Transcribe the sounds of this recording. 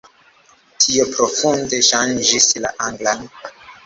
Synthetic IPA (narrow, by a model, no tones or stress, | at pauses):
tʰiopɾofundeʃand͡ʒisla̰ʔaŋɡlaŋ